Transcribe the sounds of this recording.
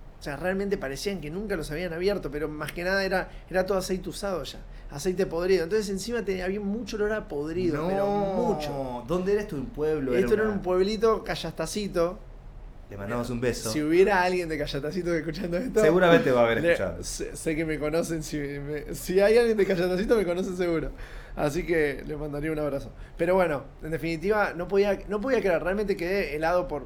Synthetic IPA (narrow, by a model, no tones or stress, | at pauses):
osearealmẽnt̪̬epaɾesiaŋke̞nũŋkalo̞saβ̞ianaβjeɾt̪o̞pe̞ɾo̞maskenaðaeɾa | eɾat̪oðoasejt̪eusað̞oʃa̰ | a̰sejt̪epo̞ðɾiðont̪onsesensimat̪eaβiamut͡ʃoloɾapo̞ðɾiðooomut͡ʃod̪ond̪eeɾaet̪oðumpweβloet̪oeɾaumpwe̞βlit̪̬o̞kaʃast̪asit̪o̞ | lemã̰nd̪amosumbesosiuβje̞ɾaalɣje̞nd̪ekaʃat̪as̬it̪̬oehkut͡ʃand̪oeht̪oseɣuɾamẽnt̪eβaːβeɾelet͡ʃa̰ð̰sese̞keme̞ko̞no̞sensimesiajalɣje̞nd̪ekaʃat̪asit̪omeko̞nos̬ens̬eɣuɾo | a̰s̬ikelemãnd̪aɾiaunaβɾaso | peɾo̞βwe̞no̞ | end̪e̞finit̪iβano̞po̞ðianop̬oðiakeɾaɾrealmẽnt̪̬ekeðeːlaðo̞po̞ɾ